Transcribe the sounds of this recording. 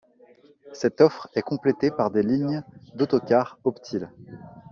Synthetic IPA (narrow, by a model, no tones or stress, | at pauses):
sɛt̪ɔfχɛkɔ̃plet̪epaʁd̪eliɲd̪ot̪ɔkʲaʁɔpt̪ʰil